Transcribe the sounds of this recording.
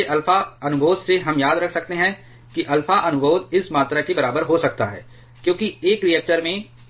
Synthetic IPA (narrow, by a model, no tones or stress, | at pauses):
eʔɐlfaɐnʊbʱoːd̪seɦɐmjaːd̪ɾɐkʰsɐkt̪eɦɛ̃ | kiʔɐlfaʔɐnʊbʱoːd̪ɪsmaːt̪ɾakebɐɾaːbəɾɦosɐk̚t̪a̰ɦɛ̰ː | kjõːkieːkɾiɛk̚ʈəɾmẽ